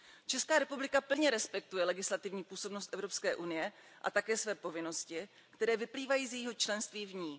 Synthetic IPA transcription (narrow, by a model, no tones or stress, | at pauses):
t͡ʃɛskaːɾɛpublɪkapl̩ɲɛɾɛspɛk̚t̪ujɛlɛɡɪslat̪ɪvɲiːpuːso̞bnost̪ʔɛvɾopskɛːʔunɪjɛ | ʔa̰t̪akɛːsvɛːpo̞vɪno̞scɪ | kt̪ɛɾɛːvɪpliːvajiːzjɛjiɦo̞t͡ʃlɛnst̪viːvɲiː